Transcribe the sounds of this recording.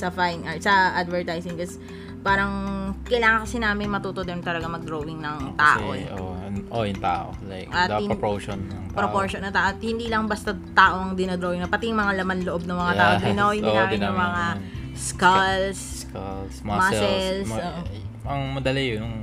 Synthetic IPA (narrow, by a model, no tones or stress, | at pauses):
sɐfajnʔɐɹsɐʔad̪vɛɹt̪ajsɪŋkɐs | paːɾɐŋkɐjlaːŋɐŋkɐsɪnaːmɪnmɐt̪uːt̪od̪ɛnt̪ɐlɐɡamɐɡ̚d̪ɾoːwɪŋnɐŋt̪a̰ːʔo̰ɛʔo̰ʔojʊŋt̪a̰ːʔo̰lajkɐtɪpoʃonɐpɾopoɹʃonːɐŋt̪aːʔot̪hɪnd̪iːlɐŋbɐst̪ɐt̪aːʔoɐŋd̪ɪnod̪ɾoːwɪŋnɐpɐt̪ɪjʊŋmɐŋalɐmanloʔob̚nɐŋmɐŋaaːʔod̪ɪnɐojɪlːnɐŋmɐŋa | skɐlsklsmɐsɛlsoʔɐŋmɐd̪ɐlɪjʊnʊŋ